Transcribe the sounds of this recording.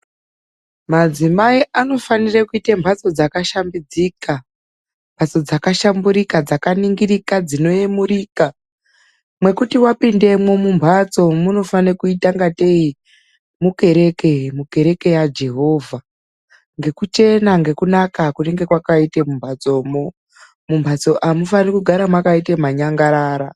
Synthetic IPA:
mad͡zimaiano̞fanirakuitembʱat͡so̞d͡zakaʃambid͡ziːka | mbʱat͡so̞d͡zakaʃambuɾikad͡zakaniŋɡiɾikad͡zino̞jemuriːka | mwe̞kutiwapinde̞mwo̞mumbʱat͡so̞muno̞fanekuitaŋɡate̞i | muke̞ɾe̞kemuke̞ɾe̞ke̞jad͡ʒe̞ɦo̞ːvʱa | ŋɡe̞kut͡ʃe̞naŋɡe̞kunakakuneŋɡe̞kwakaitemumbʱat͡so̞ːmo | mumbʱat͡so̞ʔamufanekuɡʱaɾamwakaitemaɲaŋɡaɾaːɾa

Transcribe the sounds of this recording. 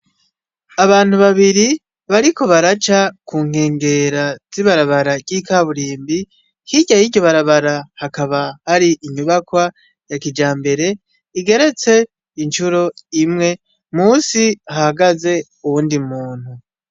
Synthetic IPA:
aβaːn̥huβaβiɾi | βaɾiko̞βaɾat͡ʃakuːŋhe̞ːŋɡe̞ɾaz̥iβaɾaβaɾaɟikaβuɾiːmbi | hiɟajiɟoβaɾaβaɾahakaβahaɾiʔiɲuβakwa | jakid͡ʒaːmbe̞ɾe̞ | iɡe̞ɾe̞t͡se̞ | int͡ʃuɾo̞imŋe̞ | muːsiahaɡaze̞ | uwuːndimuːn̥hu

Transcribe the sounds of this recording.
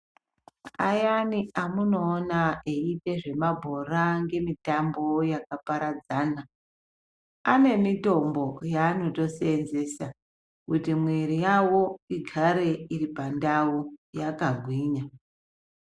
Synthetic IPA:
ajaniamuno̞ːnaeite̞ʐe̞mabʱo̞raŋɡe̞mitambo̞jakapaɾad͡zaːna | ane̞mito̞mbo̞jaːno̞to̞seenze̞sa | kutimwe̞ɾijawo̞iɡʱaɾe̞iɾipandawujakaɡʱwiːɲa

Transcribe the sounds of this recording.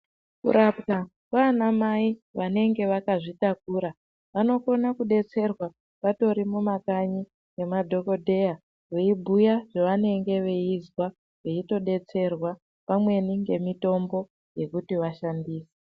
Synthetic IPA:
kṵɾapka | kwanamaiʋane̞ŋɡe̞ʋakaʐitak̚uːɾa | ʋano̞ko̞nakuɗe̞t͡se̞rwa | ʋato̞ɾimumakaɲi | ŋɡe̞madʱo̞ko̞dʱe̞ja | ʋeibʱujaʐeʋane̞ŋɡe̞ʋe̞izwa | ʋeito̞ɗe̞t͡se̞rwa | pamwe̞niŋɡe̞mito̞mbo̞ | je̞kutiʋaʃandiːse̥

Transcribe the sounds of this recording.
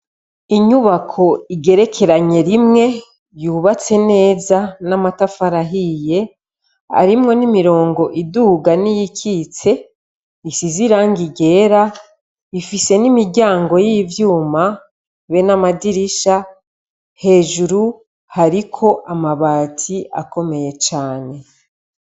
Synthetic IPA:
iɲuβakʰo̞iɡe̞ɾe̞kʰe̞ɾaɲe̞ɾimŋe̞ | juːβat͡se̞ne̞ːzanamatafaɾaɦije̞ | a̰ɾimŋo̞nimiɾo̞ːŋɡo̞ʔiduɡanijikʰit͡se̞ | isiziɾaŋɡiɡe̞ːɾa | ifise̞nimiɾɟaːŋɡo̞jivjuːma | βenamadiɾiʃa | he̞ːʒuɾu | haɾikʰo̞ʔamaβaːtʰia̰ko̞me̞je̞t͡ʃaːne̞

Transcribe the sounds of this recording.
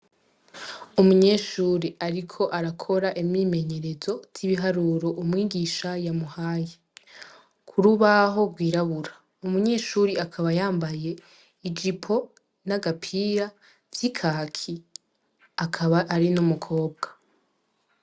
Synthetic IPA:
umuɲe̞ːʃuːɾiʔaɾikʰo̞ʔaɾakʰo̞ɾaʔimɲiːme̞ɲe̞ɾe̞zo̞z̥iβiɦaɾuːɾo̞ʔumŋiːɡiʃajamuhaːje | kʰuɾuβaɦo̞ɡwiːɾaβuɾa | umuɲe̞ːʃuːɾiakʰaβajaːmbaje̞ | id͡ʒipʰo̞ | naɡapʰiɾa | vjikʰakʰi | akʰaβaʔːɾinumukʰo̞ːb̚ɡḁ

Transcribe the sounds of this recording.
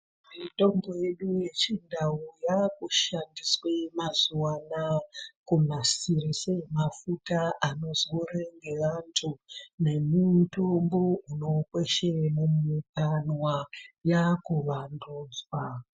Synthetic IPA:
mito̞mbo̞je̞ɗuje̞t͡ʃindaujakuʃandiswemazuwanakumasirisemafutaʔano̞zoreŋɡe̞ʋantʰune̞mito̞mbo̞uno̞kweʃenemikanwajakuʋanduːd͡zwa

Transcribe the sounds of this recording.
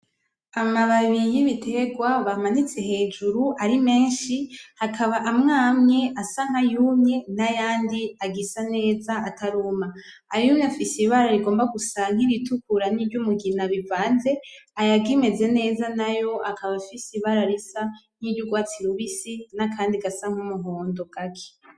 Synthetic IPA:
amaβaβijiβitʰe̞ɡwaβamanit͡se̞ɦe̞ːd͡ʒuɾuʔaɾime̞ːnʃihakʰaβaʔːmŋaːmɲe̞ʔasaŋ̥hajuːmɲe̞najaːndiaɡisane̞ːzaatʰaɾuːmaː | ɾijumɲafisiβaɾaɾiɡo̞ːmbaɡusaŋ̥iɾitukuɾaniːɾɟumuɡinaβivaːnze̞ajaɡime̞ze̞ne̞ːzanajo̞ʔakʰaβafisiβaɾaɾisan̥iɾɟuɡwaːt͡siɾuβisinakʰaːndiɡasaŋ̥umuɦo̞ːndo̞ɡ̥akʰe̥

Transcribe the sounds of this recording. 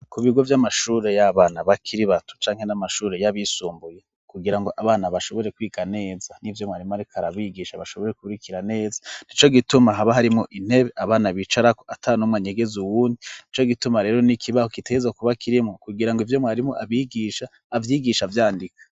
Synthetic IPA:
kuβiɡo̞vjamaʃuːɾe̞jaβaːnaβakʰiɾiβatu̥t͡ʃaːŋhe̞namaʃuːɾe̞jaβisuːmbuje̞ | kuɡiɾaŋɡo̞ʔaβaːnaβaʃo̞βo̞ɾe̞kwiːɡane̞ːzanivjo̞mŋaːɾimoaɾikʰaɾaβiːɡiʃaβaʃo̞βo̞ɾe̞kuβuɾikʰiɾane̞ːzḁn̥it͡ʃo̞ɡitumaɦaβaɦaɾimŋoʔin̥he̞βe̞ʔaβaːnaβit͡ʃaɾako̥atʰanomŋwaɲeɡe̞zuwuːndinit͡ʃo̞ɡitumaɾe̞ːɾo̞nikʰiβaho̞kiteezakuβakʰiɾimŋokuɡiɾaŋɡoivjo̞mŋaːɾimoʔaβiːɡiːʃaː | vjiːɡiʃavjaːndikḁ

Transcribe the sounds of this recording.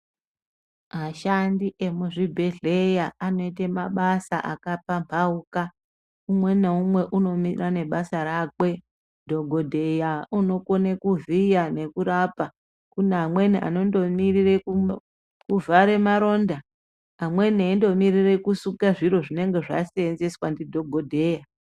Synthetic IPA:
maʃandiʔe̞muʐibʱeɮe̞jaano̞itemaɓasa̰ʔakapampʰauka | umwe̞neumwe̞ʔuno̞mirane̞ɓasaɾakwe̞ | dʱo̞ɡʱo̞dʱe̞jauno̞konekuvijane̞kuɾapa | kuneamwe̞niʔa̰no̞ndo̞mirireku | kuvaɾe̞maɾo̞nda | amwe̞naindo̞mirire̞kusukaʐiɾo̞ʐine̞ŋɡe̞ʐa̰sienzeswandidʱo̞ɡʱo̞dʱe̞ja

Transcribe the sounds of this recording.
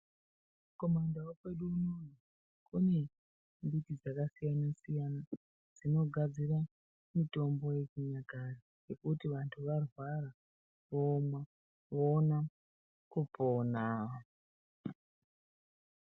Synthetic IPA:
ko̞mandawokwe̞ɗuːnon̤o | kune̞ | mbitid͡zakasijanasijana | d͡zino̞ɡʱad͡zira | mito̞mbo̞je̞kuɲakari | ɡe̞kutiʋantʰuʋarwara | ʋomwa | ʋoːna | kupoːna

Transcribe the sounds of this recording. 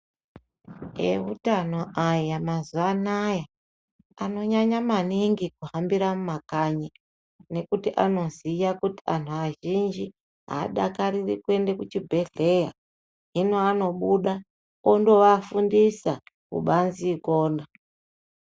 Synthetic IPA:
ḛṵtano̞ʔajamazuanaja | ano̞ɲaɲamaniŋɡikuɦambiɾamumakaɲi | ne̞kutiʔano̞zijakutian̤uaʒind͡ʒi | ɦa̰ːɗakaɾirikue̞ndekut͡ʃibʱe̞ɮe̞ja̰ | ɦinoano̞ɓuɗa | ondo̞ʋafundisa | kṵɓanzikoːna

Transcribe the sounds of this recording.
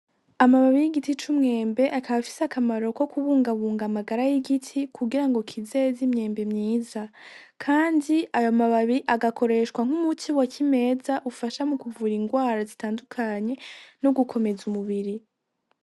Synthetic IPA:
amaβaβijiɡitit͡ʃumŋe̞ːmbe̞ʔakaβafi̥sakamaɾo̞ko̞kuβuːŋɡaβuːŋɡamaɡaɾajiɡitʰikʰuɡiɾaŋɡo̞kʰizezimɲe̞ːmbe̞mɲiːzakʰaːndiajomaβaβiʔaɡakʰo̞ɾe̞ʃkwaŋ̥humutʰiwakʰime̞ːzaʔufaʃamukuvuɾiŋɡwaːɾazitaːndukʰaɲe̞noɡukʰo̞me̞zumuβiɾi

